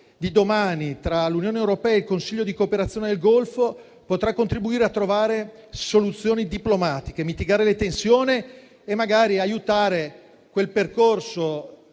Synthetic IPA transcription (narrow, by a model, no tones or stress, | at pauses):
d̪id̪omaːnit̪ɾalunjoːnewɾopɛːaeilkonsiʎːod̪ikoːpeɾat̪sːjoːned̪elɡolfo | pot̪ɾakːont̪ɾibuiːɾeat̪ːɾovaːɾe | solut̪sːjoːnid̪iplomaːt̪ikemit̪iɡaːɾelet̪ensjoːniː | mːaɡaːɾiajut̪aːɾe | kwelperkorso